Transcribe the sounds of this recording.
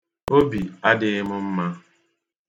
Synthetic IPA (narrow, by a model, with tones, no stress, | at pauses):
o˦bi˨a˦dɪ˨ɪ˦mʊ˦m̩˦ma˦